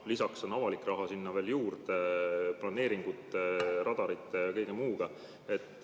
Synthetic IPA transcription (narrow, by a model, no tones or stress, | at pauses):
lisɑkso̞nɑvɑlikːˑrɑɦɑsinːɑve̞ːljuːrd̪eplɑne̞ːɾiŋɡ̥ut̪ːˑeɾɑd̪̥ɑɾit̪ˑːeɑkɤjɡ̥emuːɡ̥ɑ | e̞t̪ːˑ